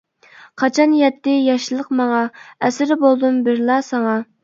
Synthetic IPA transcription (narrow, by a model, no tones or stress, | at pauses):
qʰɑt͡ʃʰɑnjɛt̪ːɪjɑʃilˠəqmɑŋɑɛsɪɾɪbolˠd̪umbɪɾlˠɑsɑŋɑ